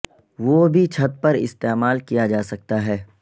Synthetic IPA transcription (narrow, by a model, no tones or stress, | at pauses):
ʋoːbʱit͡ʃʰɐt̪̚pɐɾɪ̰st̪eːmaːlkijad͡ʒaːsɐk̚t̪aɦɛː